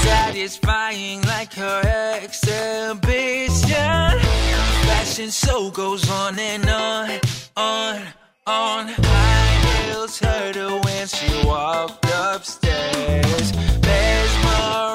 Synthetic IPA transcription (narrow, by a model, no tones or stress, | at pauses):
sæɾɪz̥faɪɪ̃ŋlaɪkʰə˞ɛksɛbɪʃɨnfæsɨ̃nsoʊɡoʊzn̩ɨ̃nə | ən | ənahɪlˠtʰɛɹɾəwɛ̃nsuɔfʌpstɛz̥ðɛzwə